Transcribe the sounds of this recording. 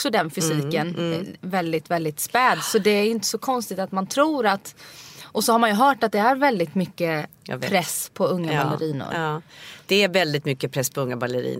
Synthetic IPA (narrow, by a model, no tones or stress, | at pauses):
ksɔd̪ɛnfʏsiːkənvɛld̪ɪt̪vɛld̪ɪt̪spɛːd̪sɔd̪ɛæjʏnt̪ə̥sɔkʰɔnst̪ɪt̪at̪mant̪ʰɾuːɾat̪ʔɔsɔhaɾmanjɵɦœːʈat̪̚d̪ɛæɾvɛld̪ɪt̪mʏkːəpʰɾɛspʰɔɵŋːabaləɾiːnʊ̰ɾd̪̥ɛæɾvɛld̪ɪt̪mʏkːəpʰɾɛsːpʰɔɵŋːabalːəɾḭːn